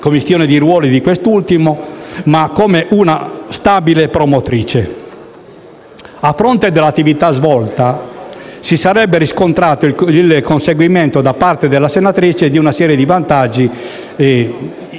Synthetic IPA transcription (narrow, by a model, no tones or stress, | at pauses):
komːist̪jɔːned̪iɾwɔːlid̪ikwest̪ult̪imomakːoːmeʔunast̪abilepɾomot̪ɾiːt͡ʃe | afɾɔnt̪ed̪elːat̪ːivit̪azvɔlt̪a | sisaɾɛbːeɾiskont̪ɾaːt̪oilkʰonseɡwiment̪od̪apart̪ed̪elːasenat̪ɾit͡ʃed̪iunasɛːɾjed̪ivant̪ad͡ʒːi